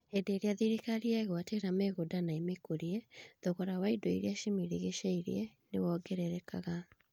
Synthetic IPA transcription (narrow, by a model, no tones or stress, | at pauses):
hedeːɾeaðiɾikaɾiaɣwateɾamɛɣodanaimekoɾiɛðoɣɔɾawaidoḭɾeaʃimiɾeɣeʃaiɾḭɛnḛwɔɡɛɾɛɾɛka̰ɣa